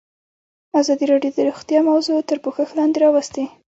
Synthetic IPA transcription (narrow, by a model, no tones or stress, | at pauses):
azɑd̪iɾɑɖjod̪əɾuxt̪jɑmawzot̪əɾpoxəxlɑnd̪eɾɑwast̪e